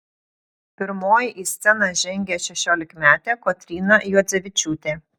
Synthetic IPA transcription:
pʲɪɾmoːjɪʔiːsʲt̪sʲɛnɑʒʲɛŋʲɡʲɛʃʲɛʃʲoːlʲɪkmʲæːt̪ʲeːkɔːt̪ʲɾʲiːnɐjuɔd̪zʲɛʋʲɪt͡ʃʲuːt̪ʲeː

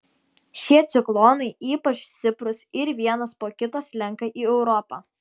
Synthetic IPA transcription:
ʃʲiɛt̪sʲɪklˠoːnɐɪʔiːpɐt͡ʃsʲɪpɾʊsɪɾʋʲiɛnɐspoːkʲɪt̪oːslʲɛŋˑkɐʔiːɛʊɾɔpɑː

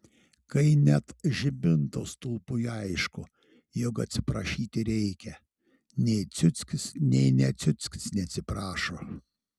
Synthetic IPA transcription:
kɐɪnʲɛt̪ʒʲɪbʲɪnt̪ost̪ʊlˠpʊjɐɪʃkʊ | jokɐt̪ʲsʲɪpɾɐʃʲiːt̪ʲɪɾʲɛɪkʲɛ | nʲɛɪt̪sʲʊt̪sʲkʲɪsnʲɛɪnʲɛt̪sʲʊt̪sʲkʲɪsnʲɛɐt̪ʲsʲɪpɾɑːʃoː

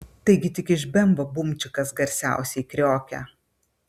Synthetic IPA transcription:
t̪ɐɪɡʲɪt̪ʲɪkɪʃbʲɛmboːbʊmʲt͡ʃʲɪkɐsɡɐɾʲsʲæ̰ˑʊsʲɛɪkɾʲoːkʲɛ̰

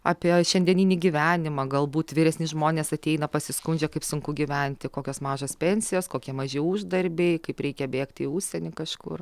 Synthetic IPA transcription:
ɑːpʲiɛʃʲɛnʲd̪ʲɛnʲinʲiɡʲiʋʲæːnʲɪmɐːɡɐlˠbuːt̪ʋʲiːɾʲɛsʲnʲɪʒmoːnʲeːsɐt̪ʲɛɪnɐpɐsʲɪskʊnʲd͡ʒʲɛkɐɪpsʊŋkʊɡʲiʋʲɛnʲt̪ʲɪkoːkʲoːsmɑːʒoːspʲɛnʲsʲɪjoːskoːkʲiɛmɐʒʲɪuʒd̪ɐɾʲbʲeɪkɐɪpɾʲɛɪkʲɛbʲeːkt̪ʲɪuʃʲsʲɛnʲɪkɐʃkʊ̰r

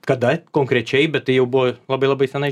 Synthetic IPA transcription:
kɐd̪ɐkoːŋkɾʲɛt͡ʃʲɛɪbʲɛt̪̚tɐɪjɛʊbʊʋoːlˠɑbɐɪlˠɑbɐɪsʲɛnɐɪ

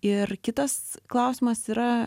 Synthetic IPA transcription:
ɪrkʲɪt̪ɐsklˠɐʊsʲɪmɐsiːɾɐ

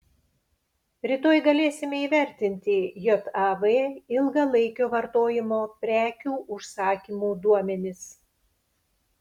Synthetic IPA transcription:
ɾʲɪt̪oːjɡɐlʲeːsʲɪmʲɛiːʋʲɛɾʲt̪ʲɪnʲt̪ʲɪjɔt̪ɑʋeɪlˠɡɐlˠɐɪkʲoːʋɐɾt̪oːjɪmoːpʲɾʲæːkʲuːʔʊʃsɑːkʲiːmuːd̪uɔmʲɛnʲɪs

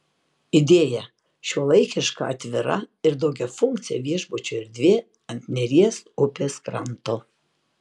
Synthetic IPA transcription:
ɪd̪ʲeːjɛ | ʃʲuɔlˠɐɪkʲɪʃkɐ̰ɐt̪ʲʋʲɪɾɐ̰ɪɾd̪ɐʊɡʲɛfʊŋʲk̚t̪sʲɪjɛ̰ʋʲiɛʒbot͡ʃʲoːɪɾd̪ʲʋʲe | ɐnʲt̪ʲnʲɛɾʲiɛsʊpʲeːskɾɐnt̪o

